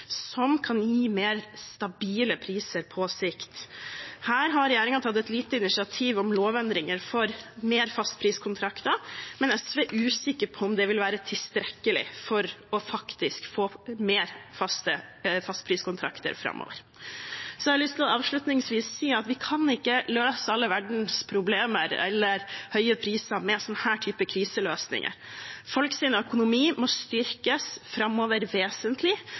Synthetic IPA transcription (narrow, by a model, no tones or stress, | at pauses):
sɔmkʰɑnjiːmeːɾst̪ɑbiːləpʰɾiːsəɾpʰɔsɪkt̪hæːɾɦɑɾɾɛjeːɾɪŋɑnt̪ʰɑt̪ːɛt̪liːt̪əɪnɪsɪɑt̪ʰiːʋɔmloːʋɛnd̪ɾɪŋəɾfɔɾmeːɾfɑst̪pʰɾiːskʰʊnt̪ʰɾɑkt̪əɾmɛnɛsʋeːʔʉːsɪkːəɾpʰɔɔmd̪ɛʋɪlʋæːɾət̪ʰɪst̪ɾɛkːəlɪ̰fɔɾɔfɑkt̪ɪskfoːmeːɾfɑst̪əfɑst̪pʰɾiːskʊnt̪ʰɾɑ̰kt̪ə̰ɾfɾɑ̰mʔo̰ːʋə̰ɾ | sɔlɪst̪ɪlɑːʋʂɭʉt̪nɪŋsʋiːsːiːɑt̪ʋɪkʰɑnɪkːəløːsəɑlːəʋæɖɳ̩spʰɾʊbleːməɾɛ̰lːəɾhœʏəpʰɾiːsɑmɛsɔnːəhæːʈʰyːpəkʰɾiːsəløːsnɪ̰ŋʔə̰ɾfɔlksiːnəœkʊnʊmiːmɔst̪ʏɾkəsfɾɑmːoːʋəɾʋeːsənt̪ʰlɪ